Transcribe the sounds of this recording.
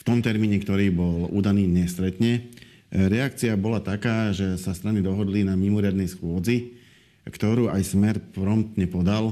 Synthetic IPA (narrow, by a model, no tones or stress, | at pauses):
ft̪ɔmt̪ɛɾmiːɲɛkt̪ɔɾiːbɔlṵːd̪aniːɲɛst̪ɾɛt̪ɲɛ | ɾɛakt͡siabɔlat̪akaːʒɛsast̪ɾanid̪ɔɦɔd̪linamimɔɾɪad̪nɛjsxʊɔd͡zi | kt̪ɔɾuːʔajsmɛɾpɾɔmt̪ɲɛpɔd̪al